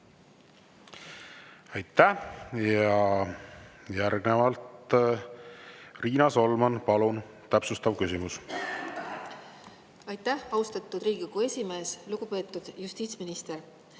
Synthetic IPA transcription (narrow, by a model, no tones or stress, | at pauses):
ɑjt̪ːˑæjɑ | jæɾɡ̥nevɑlt̪ | riːnɑso̞lmɑnpɑlun | t̪æpsust̪ɑvkysʲimus | ɑjt̪ːˑæhɑust̪ɑt̪ːˑud̪ɾiːɡikue̞sʲime̞ːsluɡ̥upe̞ːt̪ːˑud̪̥just̪iːt̪sminist̪e̞ɾ